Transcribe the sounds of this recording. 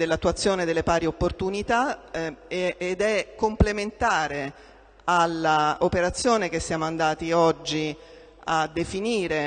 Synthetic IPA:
d̪elːat̪ːuat̪sːjoːned̪elːepaːɾiopːort̪unit̪a | d̪ɛkːomplement̪aːɾe | alːaopeɾat̪sːjoːnek̟esːjaːmoand̪aːt̪iɔd͡ʒːi | ad̪ːefiniːɾe

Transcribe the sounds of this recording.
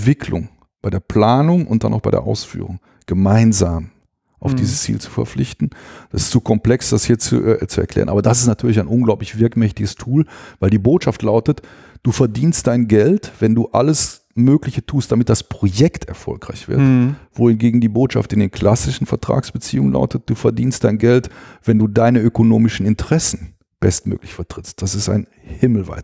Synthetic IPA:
v̥ɪkʰlʊ̰ŋ | b̥aɪdeːɐpʰl̥aːnʊŋʔʊ̰nt̚d̥a̰na̰ʊxb̥aɪɾḛɐʔa̰ʊsfy̰ːʁ̞ʊ̰ŋ | ɡ̥əmaɪnzaːm | ʔaʊfd̥iːzəst͡sḭːlt͡su̥fɛ̰ɐflɪçtn̩d̥asɪstz̥oːkʰɔmpl̥ɛksd̥ashiːɐt͡sṵt͡suɛ̰ɐklɛ̰ːʁənʔaːbɐdasɪstnatʰyːɐlɪçaɪnʔʊnɡlaʊplɪçv̥ɪɐkmɛçtɪɡəstʰuːlvaɪldiːboːtʃaftʰlaʊtət | d̥uːfɛɐdiːnst̚d̥aɪnɡɛltv̥ɛnduːʔa̰ləs | møːklɪçətʰuːstd̥amɪt̚d̥aspʁ̥ojɛktʰɛ̰ɐfɔ̰lkʁ̥aɪçv̥ɪ̰ɐtv̥oːhɪnɡeːɡŋ̩diːboːtʃa̰ftɪndeːnkʰl̥asɪʃn̩fɛɐtʁ̥a̰ːksb̥ət͡sḭːʊŋənla̰ʊtət̚d̥uːfɛɐdiːnstd̥aɪnɡɛltv̥ɛnduːdaɪnəʔøkonoːmɪʃn̩ɪntəʁɛsn̩ | b̥ɛstmø̰ːklɪçfɛɐtʁ̥ɪst̚d̥asɪsta̰ɪn | hɪml̩va̰ɪt

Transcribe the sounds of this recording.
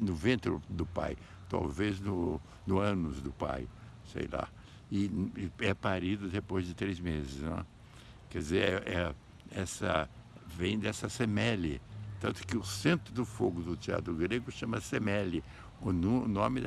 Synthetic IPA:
nʊvẽnt̪ɾʊd̪ʊpa̰j | t̪a̰wveznʊ | nʊɐ̃nʊzd̪ʊpa̰j | sḛjla̰ | ɪɛpaɾid̪ʊd̪epojzd͡ʒɪt̪ɾezmezɪsnɛ̃ | kɛd͡ʒɪzeɾɛʔɛ | ɛsɐ̰vẽj̃d̪ɛsɐsemɛlɪt̪ɐ̃nt̪ʊ̥kɪʊsẽnt̪ɾʊd̪ʊfoɡʊd̪ʊt͡ʃ̪ia̰d̪ɾʊɡɾeɡʊʃɐ̃mɐsemɛlɪ | ʊnnõmɪd̪

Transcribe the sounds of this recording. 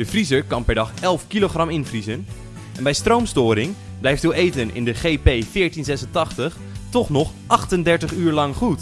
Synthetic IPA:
dəfrizəɹkɑnpɛɹdɑχɛlˠfkiloχrɑmɪnfrizən | ɛnbɛjstrowmstʊːɾɪŋ | blɛjftoːʔejtənɪ̰ndəχejpejfɪːɹtinzɛsəntɑχtəχ | tɔχnɔχʔɑχtəndɛɹtəχyːɹlɑŋχut

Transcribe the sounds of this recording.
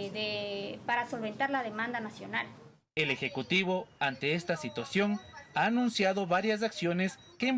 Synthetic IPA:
ðepaɾaso̞lβe̞nt̪aɾlaðemãnd̪anasjo̞nal | elexe̞kut̪iβo̞ant̪e̞est̪asit̪wasjo̞naːnũnsjaðo̞βaɾjas̬aksjo̞neskem

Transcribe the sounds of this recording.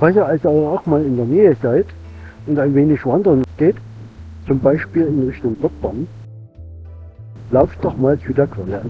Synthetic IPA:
v̥ɛɪsɐalsiːɐaʊxmaːlɪndeːɐnɛːəzaɪt | ʔʊntaɪnveːnɪçvandəʁŋsɡ̥eːt | t͡sʊmbaɪʃpiːlɪnʁɪçtʊŋb̥ɔk̚b̥an | laʊft̚d̥ɔχmaːlt͡sudeːɐkʰv̥aə

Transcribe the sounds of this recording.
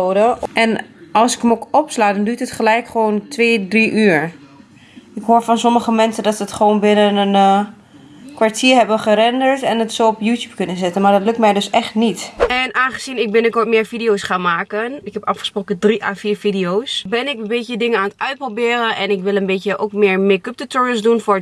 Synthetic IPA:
oːdəɛnɔlˠsɪ̥kəmokɔpslaːdɔndytətχəlɛjkχʋoːntʰʋeːdriʔyːɹ | ɪkɦoːɹfɔnsoməχəmɛnsədɔtsətχəʋoːnbɪnənən | kʋaɹtʰiːəɹɦɛbəχəɾɛndəɹtɛnətsowɔpjuːtjup̚kɵnəzɪtənmaɹdɔtløk̚tmɛjdøsɛχtnitɛnaːnχəz̥inɪk̚bɪnəkoɹtmɪːɹfidijowsχaːnmaːkənɪkɦɛpɑfχəsproːkədriʔaːfiːɹfidiosbɪnɪkənbeːədɪŋənaːnətœɥt̚probɪːɾənʔɛnɪkʋɪlˠənbeːtjəʔoːkmɪːɹmɪkəp̚tətɔɹəsdunfʊɹ

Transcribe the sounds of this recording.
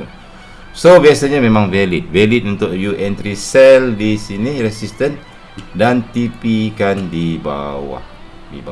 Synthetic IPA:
sobiasaɲamẽmãŋvɛlit̪̚vɛlit̪̚unt̪ʊʔjuʔɛ̃nt̪ɾisɛldisiniɾɛsist̪ən | dant̪ipikandiba̰wa̰h | dḭba

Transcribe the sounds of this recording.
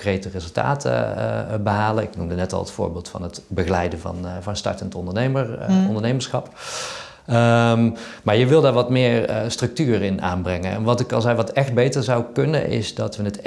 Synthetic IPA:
krejtərɪzəlˠta̰ːtʰə̰bəɦaːlənɪknumdənɛtɑ̰lˠətfʊ̰ːɹbɪːlˠtfɑ̰nətbəɣəlɛjdənvɑ̰nvɑnstɑ̰ɹtəntɔndəɹneməɔndəɹnejməɹsxɑp | ə | maːɹjəʋɪlˠdaːɹʋɑtmɪːɹstrɵk̚tyːrɪnʔa̰ːnbrɛŋənɛ̰nʋɑtɪkɑnzɛjʋɑtɛxd̚bejtəɹzɑwkɵnə̰nɪ̰zdɑtʋənət

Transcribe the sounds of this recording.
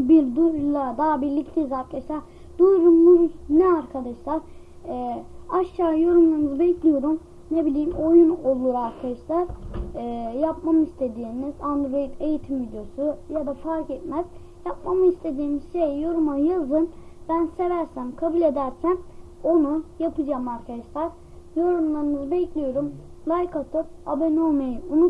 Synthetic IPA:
biɾd̪ujlˠad̪aːbiɾlʲict̪ʰɛizaɾkaaʃlˠaɾ | d̪ujɾumːuznɛaɾkʰad̪aʃlˠaɾ̥ | ɛːaʃt͡ʃaːjo̞ɾumlˠaɾmɯzɯbecʰlʲijo̞ɾum | nebilʲijimo̞juno̞lˠuɾaɾkʰad̪aʃlˠaɾ | japmamɯist̪ʰe̞d̪iːmizand̪ɾo̞jit̪ʰe̞jit̪ʰimvid̪jo̞sujad̪afaɾkɛt̪mæz̥ | jap̚mamɯist̪ʰe̞d̪iːmiz̥ʃe̞jjo̞ɾumajazɯn | bænse̞væɾsæmkʰabulʲe̞d̪æɾsæno̞nujapɯd͡ʒaːmaɾkʰad̪aʃlˠaɾ̥ | jo̞ɾumlˠaɾɯnɯzɯbɛclʲijo̞ɾum | lˠajkat̪ʰɯpabɛnomejiunu

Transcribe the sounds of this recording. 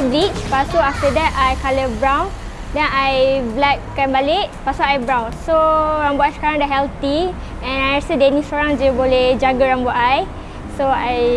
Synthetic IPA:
bɾit͡ʃpasoaft̪ədɛt̪ajkaləbɹãwn | dɛ̃najblɛk̚kːãnbaleʔpasaajbɹãwnsoɹãmboʔajsə̥kaɹãŋdɛʔɦɛlt̪i | ɛ̃najɛsədɛnĩsoɹãŋd͡ʒəboled͡ʒaɡaɹãmboʔaj | soaj

